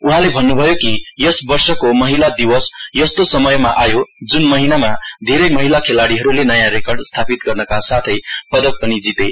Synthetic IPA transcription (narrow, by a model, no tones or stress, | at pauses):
uɦãlebʱʌnːubʱʌjokijʌsbʌrsʌkomʌɦilad̪iwʌsjʌst̪osʌmʌjmaʔajod͡zunmʌɦinamad̪ʱeɾʌjmʌɦilakʰelaɽiɦʌɾulenʌjãɾekʌrɖst̪ʰapit̪ɡʌrnʌkasat̪ʰʌjpʌd̪ʌk̚pʌnid͡zit̪e